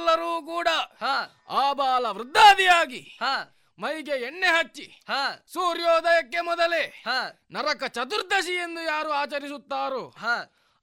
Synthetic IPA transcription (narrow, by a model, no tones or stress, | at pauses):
lːɐɾuːk̬uːɽɐhaː | aːbaːlɐʋɾud̪ʱːaːd̪ijaːɡiha | mɐjɡeenːeɦɐt͡ʃːi | hasuːɾjoːd̪ɐjɐkːemɔd̪ɐleha | nɐɾɐkɐt͡ʃɐt̪̬uɾd̪ʱɐʃijend̪ujaːɾuaːt͡ʃɐɾisut̪ːaːɾuːɦa